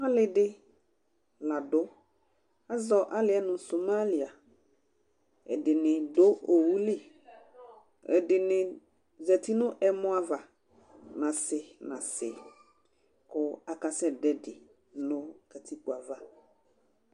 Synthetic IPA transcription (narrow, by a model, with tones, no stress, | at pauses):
a˦lɪ˨dɪ˦ | la˨dʊ˦ | a˦zɔ˨ʔa˦lɪ˦ɛ˦nʊ̃˨so˨ma˦li˨a˨ | ɛ̰˨dɪ˨nɪ̃˨do˦o˨wu˦li˦ | ɛ̰˨dɪ˨nɪ̃˨ | zɛ˨ti˦nʊ̃˦ʔɛ˨mʊ̃˦a˨va˨ | nã˨sɪ˨nã˨sɪ̰˨ | kʊ˨a˨ka˨sɛ˦dɛ˦dɪ˨ | nʊ̃˦kɛ˨t̪ʰi˦ku˨a˨va˨